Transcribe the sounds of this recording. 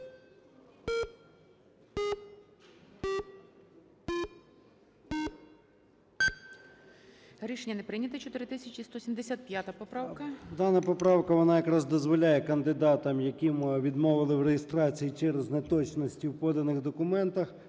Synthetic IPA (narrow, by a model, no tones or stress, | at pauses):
ɾʲiʃenʲːɐnepɾɪnʲɐt̪ɐt͡ʃɔt̪ɪɾɪt̪ɪsʲɐt͡ʃʲist̪ɔsʲimd̪esʲat̪̚pʲjat̪ɐpɔpɾɑwkɐd̪ɑnɐpɔpɾɑwkɐʋɔnɑjɐkɾɑzd̪ɔzʋɔlʲajɛkɐnd̪ɪd̪ɑt̪ɐmjɐkʲimʋʲid̪mɔʋɪlˠɪwɾejɪst̪ɾɑt͡sʲijit͡ʃɛɾeznet̪ɔt͡ʃnɔsʲtʲiwpɔd̪ɐnɪxd̪ɔkʊmɛnt̪ɐx